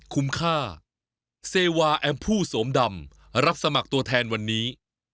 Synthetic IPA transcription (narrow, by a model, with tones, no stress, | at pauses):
kʰu˦˥mkʰaː˥˩ | seː˧waː˧ʔɛː˧mpʰuː˥˩soː˩˦mda˧m | ɾa˦˥p̚sa˧ma˨˩k̚t̪u˧ɐt̪ʰɛː˧nwa˧nːiː˦˥